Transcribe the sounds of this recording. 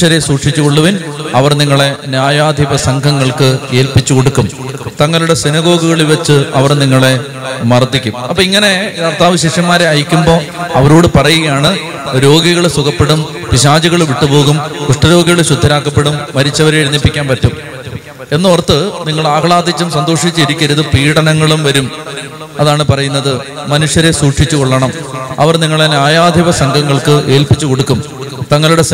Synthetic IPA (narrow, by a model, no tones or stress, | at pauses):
ɐɾesuːʈʂit͡ɕːukoɭːɐʋinɐʋɐrniŋːɐɭe̞njaːjaːd̪ʱiʋɐsɐŋɡʱɐŋːɐɭkɨe̞ːlpit͡ɕːuko̞ɽukːum | t̪ɐŋːɐluɽe̞sinɐɣo̞ːɡuɣɐɭilʋɐt͡ɕːɨɐʋɐrniŋːɐɭe̞ | mɐrd̪ʱːikʲːumɐpːoːiŋːɐne̞kɐrt̪aːʋɐɕiʂjɐmːaːɾeɐjikʲːumbo̞ːɐʋɐɾoːɽɨpɐrɐjuɣɐjaːɳɨ | ɾo̞ːɡiɣɐɭsukʰɐpːe̞ɽum | piɕaːd͡ʑuɣɐɭʋiʈːupo̞ːɣumkuʂʈɐɾo̞ːɡiɣɐɭɕud̪ʱːɐɾaːkːɐpːe̞ɽumʋɐɾit͡ɕːɐʋɐɾeɾinːipːikʲːaːnpɐtːum | e̞nːoːrɐt̪ːɨniŋːɐɭaːkɐɭaːd̪ʱit͡ɕːumsɐnd̪oːʂit͡ɕːɨiɾikʲːɐɾuðɨpiːɽɐnɐŋːɐɭumʋɐɾum | ɐðaːɳɨpɐrɐjunːɐðɨ | mɐnuʂjɐɾe̞suːʂit͡ɕːukoɭːɐɳɐmɐ̰ʋɐrniŋːɐɭenaːjaːd̪ʱiʋɐsɐŋɡʱɐŋːɐɭkɨʔe̞ːlpit͡ɕːuko̞ɽukːum | t̪ɐŋːɐɭuɽe̞s